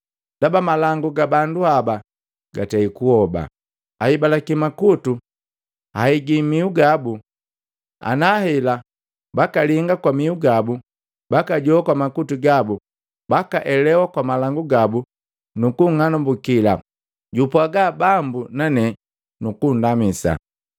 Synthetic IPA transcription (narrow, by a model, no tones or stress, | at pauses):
d̥abamalaŋɡuɡabanduaba | ɡataikuhɔba̰ | aibalakimakutu | haiɡimiuɡabu | a̰nahɛla | bakaliŋɡakwamiuɡabu | bakaɟɔakwamakutuɡabu | bakaʔɛlɛwakwamalaŋɡuɡabu | nukuŋanambukila̰ | ɟupwaɡabambunanɛ | nukundamisa̰